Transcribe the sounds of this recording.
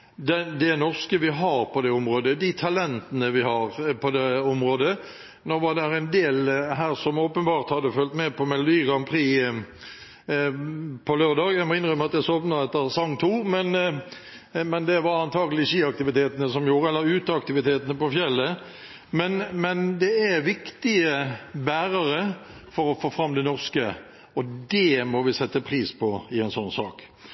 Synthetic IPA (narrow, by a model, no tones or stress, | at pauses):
d̪ɛd̪ɛnɔʁskəʋɪɦɑʁpʰɔd̪ɛɔmʁoːd̪əd̪ɪt̪ʰɑlɛnt̪ənəʋɪhɑʁpʰɔd̪ɛɔmʁoːd̪ə | noːʋɑd̪æɾæɪnd̪eːlɦæːʁsɔmoːpənbɑːʁt̪hɑd̪ːəfœlt̪mɛpʰɔmɛlʊd̪iːʁɑmpʰʁiː | pʰɔløːʁd̪ɑːɡæmɑɪnʁʏmːɑt̪d̪æsɔpnɑɛt̪ːəʁsɑŋt̪ʰuːmɛn | mɛnd̪ɛʋɑɾɑnt̪ʰɑːɡəlɪçiːɑkt̪ɪʋɪt̪ʰeːt̪ənəsɔmjuːɾəɛlːəɾʉːt̪əɑkt̪ɪʋɪt̪ʰeːt̪ənəpɔfjɛlːə | mɛnmɛnd̪ɛæʋɪkt̪ɪəbæːʁəʁəfɔɾɔfoːfɾɑmd̪ɛnɔʁskə | ɔd̪ɛmɔʋɪsɛt̪ːəpʰʁiːspʰɔɪɛɪnsɔnːsɑ̰ːk